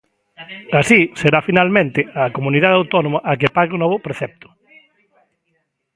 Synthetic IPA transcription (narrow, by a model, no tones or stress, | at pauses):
asiseɾafinalmẽnt̪ɪakomũniðaðawt̪ɔnomaʔakepaɣeʊnɔβʊpɾeθɛp̚t̪ʊ̥